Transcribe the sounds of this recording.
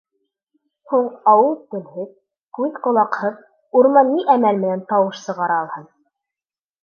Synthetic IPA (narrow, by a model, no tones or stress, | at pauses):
huɴˠɑwɤlˠt̪ɵ̆lhɘð | kʉðqŏlˠɑqhɤð | uɾmɑnːiʔæmælmɘ̆nænt̪ɑwɤʃsɤ̆ʁɑɾɑːlˠhɤn